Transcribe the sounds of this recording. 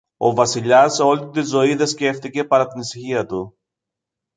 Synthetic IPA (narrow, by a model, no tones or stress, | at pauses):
o̞vɐsiʎɐseo̞lit̪izo̞iðe̞sce̞ft̪ice̞pɐɾɐt̪inisiçiɐt̪u